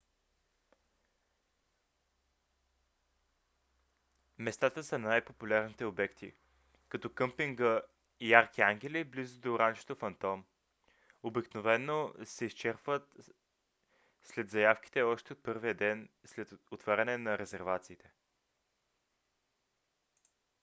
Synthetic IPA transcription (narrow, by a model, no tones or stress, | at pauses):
mɛst̪at̪əsɐnajpopulʲaɾnit̪ɛobɛkt̪ḭ | kɐt̪ɔkɤmpiŋɡə | ijaɾkʲiaŋɡ̟ʲɛliblizʊd̪oɾanʒɛ̥t̪ofɐnt̪ɔm | obiknovɛnːosɛist͡ʃɛɾpvət̪ | slɛd̪zɐjafk̟i̥t̪ɛɔʃt̪ɛot̪̚pɤɾvijəd̪ɛnslɛt̪ot̪vaɾʲɐnɛnɐɾɛzɛɾvat̪siːt̪ɛ̥